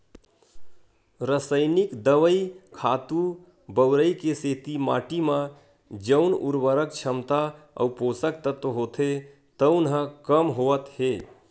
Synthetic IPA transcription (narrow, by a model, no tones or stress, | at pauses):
ɾəsəɪnikd̪əʋəikʰat̪u | bəʊɾəjkeset̪ima̰ːʈimã | d͡ʒəʊnuɾʋəɾək̚t͡ʃʰəmt̪aə̰wposək̚t̪ət̪ɦot̪ʰe | t̪əʊnɦə̃kəmɦoət̪ɦe